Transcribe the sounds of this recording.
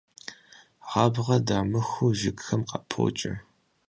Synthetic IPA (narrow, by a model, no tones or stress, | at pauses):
ʁɑːbʁɐdaːmɨxuʒɪkxɐmqɑpʰo̰ːt͡ʃʼɐ̰